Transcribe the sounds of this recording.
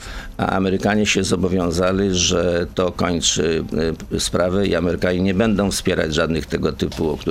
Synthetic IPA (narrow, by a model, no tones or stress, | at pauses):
a̰ʔa̰mɛɾɘkaɲɛɕɛzɔbɔvʲjɔ̃w̃zalʲiʐɛt̪ɔkɔɲt͡ʂɘ | spɾavɛḭamɛɾɘkaɲiɲɛbɛnd̪ɔ̃w̃fspʲjɛɾa̰d͡ʑʐad̪nɘxt̪ɛɡɔt̪ɘpuɔkt̪u